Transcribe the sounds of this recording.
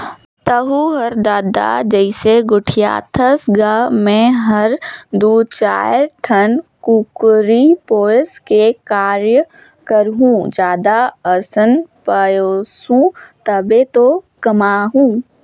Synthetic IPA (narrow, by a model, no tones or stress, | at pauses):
t̪ɐɦuɦɐɾd̪aːd̪a̰d͡ʒəɪseɡʊʈʰija̰ːt̪ʰəsɡamɛ̃ɦɐɾd̪uːt͡ʃa̰ːjɾʈʰənkukʊɾipoːɪskekaːɾjə | kəɾɦũd͡ʒjaːd̪aəsənpəjoːsũt̪ɐbet̪o | kɐmaːɦũː